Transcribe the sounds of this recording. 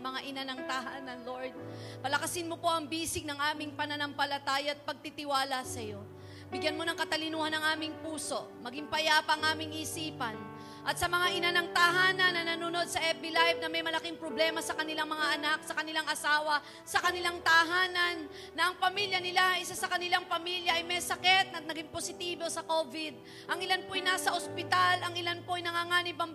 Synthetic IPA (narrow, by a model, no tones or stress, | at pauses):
mɐŋaʔɪnanɐŋt̪ɐhaːnɐnloɹd̪̚pɐlɐkɐsɪnmo̞po̞ʔɐŋbiːsɪɡ̚nɐŋʔaːmɪŋpɐnɐnɐmpɐlɐt̪aːjɐɐt̪̚pɐɡ̚t̪it̪ɪwaːlɐsɐjo̞ | bɪɡjɐnmo̞nɐŋkɐt̪ɐlɪnuːhanɐŋʔaːmɪŋpuːso̞ʔmɐɡɪŋpɐjapɐŋʔaːmɪŋʔisiːpɐn | ʔɐt̪̚sɐmɐŋaʔɪnanɐŋt̪ɐɦaːnɐnːɐnɐnuno̞d̪̚sɐʔɛpɪlajvnɐmɐjmɐlɐkiŋpɾoblɛːmɐsɐkɐnɪlaŋmɐŋaʔɐnak̚sɐkɐnɪlaŋʔɐsaːwɐ | sɐkɐnɪlaŋt̪ɐʔɦaːnɐnː | ɐʔɐŋpɐmiljɐnɪlaɐʔɪsasɐkɐnɪlaŋpɐmiljɐʔɐjmɛsɐkɛt̪̚nɐt̪̚nɐɡɪŋposɪt̪iːbo̞sɐko̞vɪd̪̚ | ʔɐŋɪlanpoʔɐjnaːsɐʔospɪt̪alɐŋɪlanpoʔɐjnɐŋaːŋaːnɪbɐm